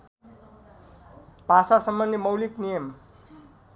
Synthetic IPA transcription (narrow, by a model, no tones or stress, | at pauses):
b̥ʱasasʌmːʌnimʌwliknijʌm